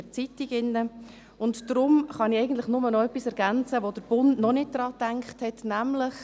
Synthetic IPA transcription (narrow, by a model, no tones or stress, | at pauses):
ət͡sitiɡɪnːə | ʊntdɾʊmχɑnɪɛɪɡən̩t̪ləχnʊmənɔœpːisɛɾɡ̥ænt͡səʋod̥̪əɾb̥ʊndnɔnɪt̚d̥̪ɾɑːtæŋkχthɛtnæmlɪχ